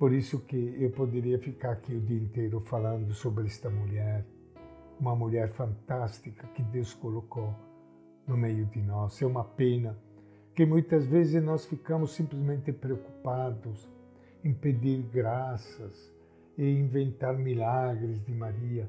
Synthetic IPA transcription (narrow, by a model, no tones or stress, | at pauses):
poɾisʊkɪewpod̪eɾiɐfikaɾakiʊd̪iẽnt̪ejɾʊfalãnd̪ʊsobɾɪɛst̪ɐmuʎɛɾ | umɐmuʎɛɾfãnt̪ast̪ikɐkɪd̪ewskolokow | nʊmejʊd̪ɪnɔsɛumɐpenɐ | kɪmujt̪ɐzvezɪznɔsfikamʊsːĩmplɪzmẽnt̪ɪpɾeoku̥pad̪ʊs | ĩmped̪iɾɡɾasɐs | ɪĩɱvẽnt̪aɾmilaɡɾɪzd̪ɪmaɾiɐ